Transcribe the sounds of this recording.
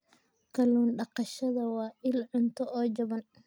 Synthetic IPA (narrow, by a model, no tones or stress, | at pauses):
kʰɐluːnɖɑqɑʃɐðɐwɑːʔɪlʕʊnt̪ʰɔʔɔːt͡ʃɐβɐn